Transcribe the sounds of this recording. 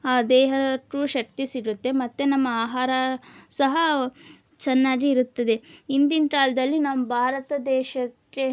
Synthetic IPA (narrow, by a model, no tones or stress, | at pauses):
aːd̪ɛːɦɐʈɾuʃɐk̚t̪isiɾut̪ːe̞mɐt̪ːenɐmːɐaːɦaːɾɐsɐɦɐ | t͡ʃɛnːaːɡiːɾut̪ːɐd̪e̞ind̪inkaːld̪ɐlːinɐmːɐbʱaːɾɐt̪ɐd̪ɛːʃɐkːe